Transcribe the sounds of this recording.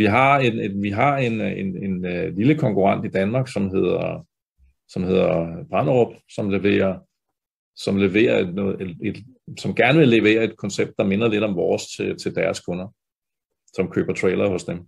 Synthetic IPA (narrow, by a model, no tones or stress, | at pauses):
ʋiɦɑ̈e̝ne̝ʋiɦɑ̈e̝nene̝nliləkʰɒ̽ŋkʰuʁɑn̰d̥id̥ænmɑ̈ːɡ̥sɒ̽mɦe̝ð̰ˠɐ | sɒ̽mhe̝ð̰ˠɐb̥ʁɑ̈nʁob̥sɒ̽mle̝ʋe̝̰ːɐ | sɒ̽mle̝ʋe̝̰ːɐednɔ̽ːð̩ˠee̝d̥ | sɒ̽mɡ̥æɐnəʋe̝le̝ʋe̝̰ːɐe̝d̥̚kʰɒ̽nseb̥̚d̥ɑ̈me̝nɐle̝ɾ̥ɒ̽mʋɒːst͡sʰe̝t͡sʰe̝ld̥æɐskʰɔ̽nɐ | sɒ̽mkʰø̰ːb̥ɐt͡sʰʁeːlɐhɔ̽sd̥em